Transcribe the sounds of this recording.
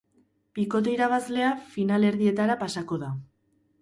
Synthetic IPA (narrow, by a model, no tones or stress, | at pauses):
biko̞t̪̬e̞iɾaβ̞azle̞afinale̞ɾðie̞t̪aɾapasako̞ða